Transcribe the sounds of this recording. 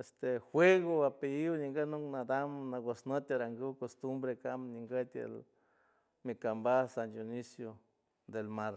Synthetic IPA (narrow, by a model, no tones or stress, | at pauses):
est̪exwʷeɣobapejiwɲiŋɡənuknad̪amnaɡosnət̪ʲaɾaŋɡɨwkost̪umbɾekamɲiŋɡət̪ʲḛl | mikambasandjunisjo | d̪elmaɾ